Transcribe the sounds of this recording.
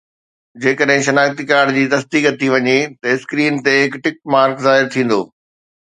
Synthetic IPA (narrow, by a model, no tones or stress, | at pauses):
d͡ʑeːkəɗɦɪ̃ʃɐnaːkt̪ikaːɽd͡ʑiːt̪ɐsd̪iːkɐt̪ʰːiʋɐɲet̪ɐɪskɾiːnt̪eɦɪkʈɪk̚ʈ̚maːɾkzaːɦɪɾt̪ʰĩːn̆d̪oː